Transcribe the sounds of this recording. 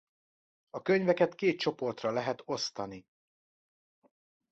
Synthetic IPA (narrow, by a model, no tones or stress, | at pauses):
ɒkøɲvɛkɛt̪keːt̪̚t͡ʃo̞po̞rt̪rɒlɛɦɛt̪o̞st̪ɒni